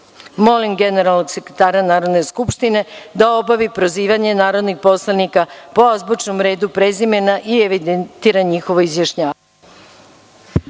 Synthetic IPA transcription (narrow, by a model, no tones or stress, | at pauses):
mo̞limɡe̞neɾalˠnoɡse̞kɾet̪aːɾanaːɾo̞d̪ne̞skupʃt̪ine̞d̪ao̞baʋipɾoziːʋaɲe̞naːɾo̞d̪nixpo̞slˠanikapoazbot͡ʃno̞mɾe̞ːd̪upɾezimenaʔieʋid̪ent̪iːɾaɲixo̞ʋoizjaʃɲaːʋ